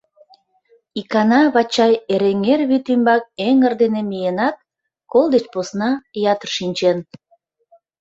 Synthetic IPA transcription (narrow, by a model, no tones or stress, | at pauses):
ikɑnɑβɑt͡ɕɑjeɾeŋerβyt̪ymbɑk̚eŋərd̪enemijenɑt̪̚ | kolˠd̪et͡ɕposnɑjɑt̪ərʃinʲt͡ɕen